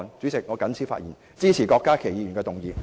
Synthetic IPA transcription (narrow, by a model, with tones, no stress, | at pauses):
nt͡sy˨˥t͡sɪ˨k̚ŋɔː˨˧kɐ˨˥nt͡sʰi˨˥fa̰˧t̚jḭː˨˩n | t͡siː˥t͡sʰiː˨˩kɔː˧kːaː˥kʰe˨˩jiː˨˧jy˨˩kɛː˧t̪ʊ˨˩ŋjiː˨˧